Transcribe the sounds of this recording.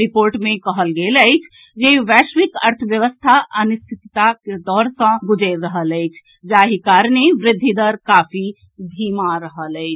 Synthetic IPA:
ɾɪpoːɾʈmẽkəɦəlɡeləɪt͡ʃʰ | d͡ʒeʋɛːʃʋɪkəɾt̪ʰəʋjəʋəst̪ʰaʔənʊst̪ʰɪt̪t̪aked̪ɔːɾsə̃ɡʊd͡ʒeɾəɦələɪt͡ʃʰ | d͡ʒaːɦikaːɾneʋɾɪd̪ʱːid̪əɾkaːfʰi | d̪ʱiːmaɾəɦələɪt͡ʃʰ

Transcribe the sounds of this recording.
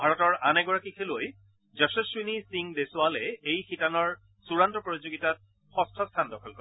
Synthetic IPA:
bʱaɹɔtɔɹanɛɡɔɹakikʰeloj | zɔsɔsinisiŋdesʊwalɛejxitanɔɹ | suɹantɔpɹotizoɡitat̚ | xɔstʰɔstʰandɔkʰɔlkɔɹɛ

